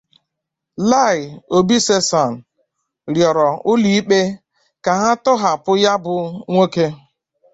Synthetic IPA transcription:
la˦˨ɪ˨o˨bi˦se˦sa˨n̩˨ | ɾjɔ˨ɾɔ˨ʊ˦li˨˦i˦k͡pe˦ | ka˨ɦa˦tʊ˦ɦa˨pʊ˦ja˦bʊ˨ŋʷo˦ke˦

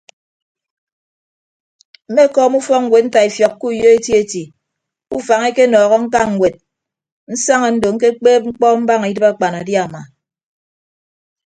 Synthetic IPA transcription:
m̩˦me˦kɔː˦mu˦fɔ˦ŋ̩˦ɡwe˨t̚n̩˦ta˨i˨fjɔ˨kːu˦˨jo˦e˦tji˦e˦ti˨ | u˦fa˨ŋe˦ke˦nɔː˨ɣɔ˦ŋ̩˦ka˦ŋ̩˨ɡʷwe˨t̚ | n̩˦sa˦ŋa˨n̩˦do˨ŋ̩˦k̬e˦k͡peː˦p̚ŋ͡m̩˦k͡pɔ˦m̩˦ba˦ŋ˨i˦dɨ˦pa˦˨k͡pa˨na˨dja˦˨ma˨

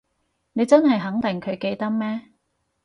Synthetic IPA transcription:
ne˨˧jt͡sɐ˥nɦɐ˨jɦɐ˨˥ŋt̪ɪ˨˩ŋkʰɵ˨˧ɥke˧jt̪ɐ˥k̚mɛː˥

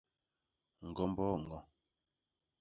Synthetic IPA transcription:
ŋ̩˨ɡɔ˦mbɔː˦ŋ̩˨ɡɔ˨

